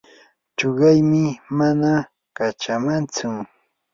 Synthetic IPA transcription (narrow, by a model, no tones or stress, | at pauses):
t͡ʃoɢɑjmɪmana | kat͡ʃamant͡sʊ